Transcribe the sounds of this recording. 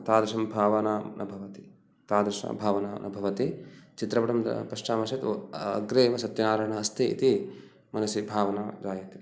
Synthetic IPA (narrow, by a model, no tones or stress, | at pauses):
t̪aːd̪ɾɐʂɐmbʱaːʋɐnaːnʔɐbʱɐʋɐt̪i̥ | t̪aːd̪ɾɐʂɐ̰bʱaːʋɐna̰ːnʔɐ̰bʱɐʋɐt̪it͡ʃit̪ɾɐpɐʈɐmpɐʂʈaːmɐʃɐt̪ɐ̰ɡɾeːʋɐsɐt̪jɐnaːɾɐɳɐːst̪ʰiḭt̪i | mɐnɐsibʱaːʋɐnɐd͡ʒaːjɐt̪i